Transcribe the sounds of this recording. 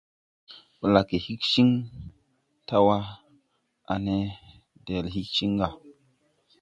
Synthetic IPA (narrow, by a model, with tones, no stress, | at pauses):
bə˨la˨ke˨hi˦kʃi˦ŋ | ta˦wa˦ | a̰˨ne˦ | de˨lhi˦kʃi˦ŋɡa˨